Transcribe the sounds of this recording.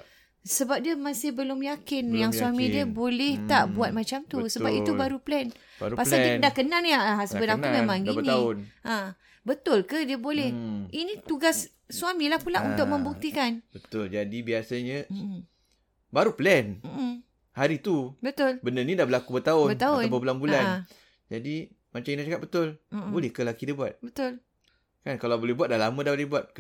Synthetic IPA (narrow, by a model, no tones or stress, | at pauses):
səbap̚diəmasɪhbəlʊmjakɪnjaŋswamĩdiəbolɛht̪aʔbuat̪̚mat͡ʃamt̪usəbapit̪ubaɾuplɛn | pasakidaʔkənalniaasəbəɾaŋk̪umẽmãŋinĩanʔã | bət̪ʊlkədiəbolɛhinĩt̪uɡasː | uamĩlahpulaʔunt̪ʊk̚mə̃mbuk̚t̪ikanbət̪ʊld͡ʒadibiasaɲə̃ | baɾuplɛn̩ | haɾit̪ubət̪ʊlbənənidabəlakubət̪aʊbət̪aʊnbəbulanbula | d͡ʒadi | mat͡ʃaminat͡ʃakat̪̚bət̪ʊl̩bolɛhkəlakidəbuat̪̚bət̪ʊl | kankalabolɛbuat̚dalamə̃daadibuat̪̚k